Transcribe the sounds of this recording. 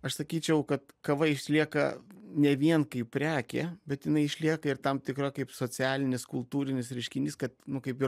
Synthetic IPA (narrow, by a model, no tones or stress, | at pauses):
ɐʃsɐkʲiːt͡ʃʲɛʊkɐt̪kɐʋɐɪʃʲlʲiɛkɐ̰nʲɛʋʲiɛnkɐɪp̚pʲɾʲæːkʲḛːbʲɛt̪jɪnɐɪɪʃʲlʲiɛkɐɪrt̪ɐmt̪ʲɪkɾoːkɐɪpsoːt͡sʲæːlʲɪnʲɪskʊlˠt̪uːɾʲɪnʲɪsɾʲɛɪʃʲkʲɪnʲiːskɐt̪nʊkɐɪpɪ